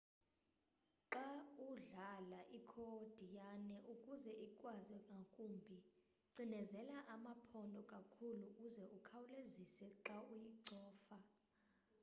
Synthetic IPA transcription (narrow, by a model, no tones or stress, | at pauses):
ǁauɮalaʔikʰɔd̥ʱijanɛʔukʼuzɛʔikʼwazɛkʼakʼumbʱi | ǀinɛzɛlaʔamapʰɔndʱɔkʼakʰulukuzɛʔukʰawulezisɛǁaujiǀɔːfa